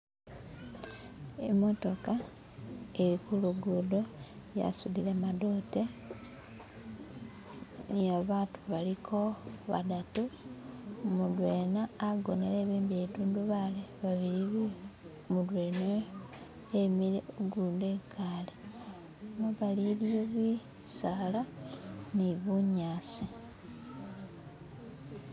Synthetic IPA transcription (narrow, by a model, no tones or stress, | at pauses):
e̞̰mo̞to̞ka | eɾikuluɡudo̞ja̰sudilemadoːte | jaβaːtuβalikʰo̞βa̰datu | mudwe̞naːɡo̞nele̞ːβiːmbietuːnduβaleβaβiɾiβi | mulweːne | emiɾeoɡuːndekaːle | ŋaβaliljoβwi | salaniβuɲaːsi